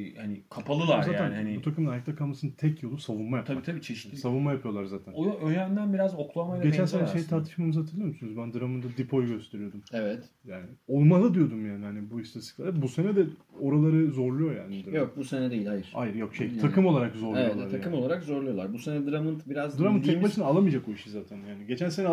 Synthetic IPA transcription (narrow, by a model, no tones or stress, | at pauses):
hanɪkʰapʰalˠɯlˠaɾzaːjaænihanibbut̪ʰakɯmɯnaik̚td̪akʰalˠmasɯnt̪ʰɛcjo̞lˠusavunmajap̪ʰajit̪ʰabiːt͡ʃʰeʃʲsavunmajapʰɯjo̞lˠaɾzaːt̪ʰænojøjænd̪ænbiɾazoklˠamaiɡet͡ʃænsanaʃejt̪ʰaːɾt̪ʰɯ̥ʃmamɯzhat̪ʰɯɾlʲˠijmysynyzbænd̪ɯɾamɯnd̪ad̪ipʰo̞jɟø̞st̪ʰe̞ɾijo̞d̪umevɛt̪jaːnɪo̞lˠmalˠad̪ijo̞d̪umjaːnanɪbuist̪asɯ̥klˠaabuse̞nɛd̪ɛ | o̞ɾalˠaɾɯzo̞ɾlˠujo̞ja̰ːnid̪ɯɾjok̚buse̞nɛd̪ejilʲajɯɾ̥a̰jɯɾjo̞kʃej̪ʰakʰɯmolˠaɾakzo̞ɾlɛtlaaakʰɯmolˠaɾakzo̞ɾlˠujo̞lˠaɾbuse̞nɛd̪ɯɾamɯnt̪biɾazd̪ɯɾamɯnt̪ʰːɛcbat͡ʃʰɯnalˠamɯjd͡ʒakboiʃizaːt̪ʰænjaːnɪɟe̞t͡ʃʰænse̞nɛ